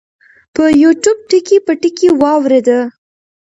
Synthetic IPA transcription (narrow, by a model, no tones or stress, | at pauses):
pəjuʈjub̚ʈəkepəʈəkewɑwɾed̪ə